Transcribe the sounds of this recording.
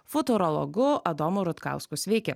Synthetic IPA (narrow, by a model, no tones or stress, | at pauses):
fʊt̪ʊɾɔlˠɔ̰ɡʊɐd̪oːmʊɾʊt̪kɑ̰ˑʊskusʲʋʲɛɪkʲɛ